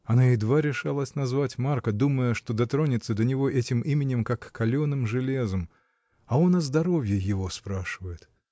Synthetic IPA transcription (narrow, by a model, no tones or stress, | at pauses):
ɐnaɪd̪vaɾʲɪʂalˠəsʲnɐzvatʲmarkəd̪uməjəʂt̪o̞d̪ɐt̪ɾo̞nʲɪt̪səd̪ənʲɪvo̞ʔɛtʲɪmimʲɪnʲɪmkakːɐlʲonɨmʐɨlʲe̞zəm | ɐo̞nɐzd̪ɐɾo̞vʲjɪjɪvo̞spɾaʂɨvəjɪt̪